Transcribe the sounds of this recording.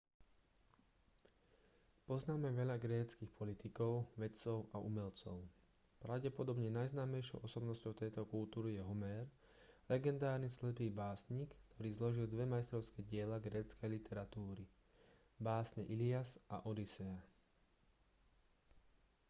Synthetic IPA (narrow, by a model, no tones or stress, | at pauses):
pɔznaːmɛʋɛʎaɡɾɛːt͡skixpʰɔlit̪ikɔʊʋɛt͡sɔʊʔaumɛlt͡sɔ̰ʊ | pɾaʊɟɛpɔd̪ɔbɲɛnajznaːmɛjʃɔ̰ʊɔsɔbnɔscɔʊt̪ɛjt̪ɔkult̪uːɾijɛɦɔmɛːɾ | lɛɡɛnd̪aːɾnislɛpiːbaːsɲiːkːt̪ʰɔɾiːzlɔʒild̪ʋɛmajst̪ɾɔʊskɛɟɪɛlaɡɾɛːt͡skɛjlit̪ʰɛɾat̪uːɾi | baːsɲɛʔiliasʔa̰ʔɔd̪isɛa